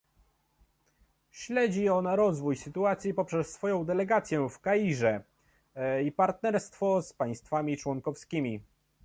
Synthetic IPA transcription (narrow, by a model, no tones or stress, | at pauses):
ɕlɛd͡ʑiɔnaɾɔzvujsɘt̪uat̪sʲjipɔpʂɛsːfɔjɔ̃w̃d̪ɛlɛɡat̪sʲjɛfkajiʐɛ | ipaɾt̪nɛɾst̪fɔspaj̃st̪famʲit͡ʂwɔŋkɔfskʲimʲi